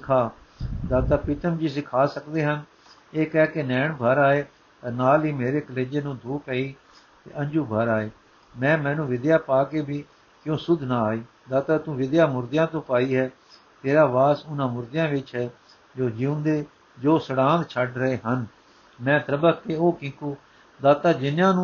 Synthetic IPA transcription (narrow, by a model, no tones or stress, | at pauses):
sɪkʰaː | d̪aːt̪aːpɪt̪əmd͡ʒiːsɪkʰaːsəkd̪eːɦən | eːkɛːkenɛːɳbʱəɾaːeː | t̪ənaːlɦiːmeːɾeːkəleːd͡ʒeːnũːd̪ʱuːpɛːiː | t̪ḛːʔə̃ɲd͡ʒuːbʱəɾaːeː | mɛ̃ːmɛ̃ːnũːʋɪd̪jaːpaːkeːbiː | kjõːsʊd̪ʱnãːaːiː | d̪aːt̪aːt̪ũːʋɪd̪jaːmʊɾd̪ɪjãːt̪õːpaːiːɦɛː | t̪eːɾaːʋaːsʊnãːmʊɾd̪ɪjãːʋɪt͡ʃɦɛː | d͡ʒoːd͡ʒiːʊ̃nd̪eː | d͡ʒoːsəɽãːnd̪t͡ʃʰəɖɾəɦeːɦən | mɛ̃ːt̪əɾəbəkːeːoːkɪ̃ːkuː | d̪aːt̪aːd͡ʒɪnjãːnũː